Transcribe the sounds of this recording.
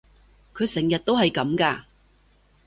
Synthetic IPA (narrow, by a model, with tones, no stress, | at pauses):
kʰɵ˨˧ɥsɛ˨˩ŋjɐ˨t̚t̪o˥whɐ˨jkɐ˨˥mkaː˧